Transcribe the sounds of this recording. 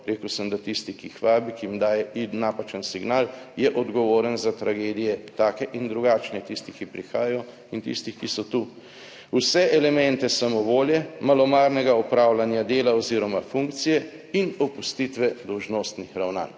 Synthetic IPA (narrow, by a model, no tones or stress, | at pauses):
ɾeːkəwsəmd̪at̪ist̪ikixʋaːbikiimd̪aːjɛinapat͡ʃənsiɡnaːljɛʔɔd̪ɡɔʋoːɾənzat̪ɾaɡeːd̪ijɛt̪aːkɛʔind̪ɾuɡaːt͡ʃnɛt̪ist̪ikipɾixaːjajɔ | int̪ḭst̪ixkisɔt̪u | usɛʔɛlɛmɛnt̪ɛsamɔʋoːljɛmalɔmaːɾnɛɡaɔpɾaːwlanjad̪eːlaɔziːɾɔmafuŋkt̪sijɛ | inɔpust̪it̪ʋɛd̪ɔwʒnoːst̪nixɾawna̰ːn